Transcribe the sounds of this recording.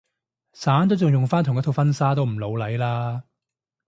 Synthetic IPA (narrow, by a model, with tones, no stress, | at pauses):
saː˨˥nt̪o˥wt͡sʊ˨ŋjʊ˨ŋfaː˥nt̪ʰʊ˨˩ŋjɐ˥t̪ʰo˨˧wfɐ˥nsaː˥t̪o˥wm̩˨˩lo˨˧wlɐ˨˥jlaː˥